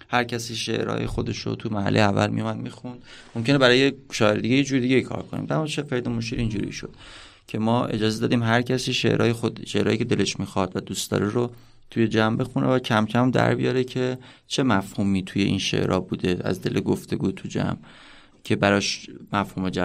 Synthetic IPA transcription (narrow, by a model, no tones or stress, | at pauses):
hæɾcʰæsiːʃḛʔɾɒ̰ːjḛxo̞d̪e̞ʃo̰t̪ʰumæɦæ̰lːʔejeævːæ̰lmḭjumæd̪̚miːxund̪̥ | momcʰenebæɾɒːjeʃɒːeɾed̪iːɟejed͡ʒuːɾd̪iɟeikʰɒ̰ːɾkʰonḭmd̪æmunʃefeɾd̪emoʃ̬iːɾind͡ʒṵɾḭʃo̞d̪̥ | cʰe̞mɒːʔe̞̰d͡ʒɒːzed̪ɒːd̪iːmɦæɾcʰæsiːʃḛʔɾʔɒ̰ːjexoʃeʔɾɒːjiːcʰe̞d̪e̞le̞ʃmiːxɒd̪væd̪ust̪ɒ̰ːɾeɾo | t̪ʰuje̞d͡ʒæmbe̞xunʔevæcʰæmcʰæmd̪æ̰ɾbijɒɾecʰe̞ | t͡ʃʰe̞mæfhuːmiːt̪ʰuje̞ʔḭːnʃḛʔɾʔɒːbuːd̪e̞æ̰zd̪e̞lʔeɡoft̪ʰe̞ɡuːt̪ʰud͡ʒæ̰m | cʰe̞bæɾɒʃmæfhuːme̞d͡ʒæ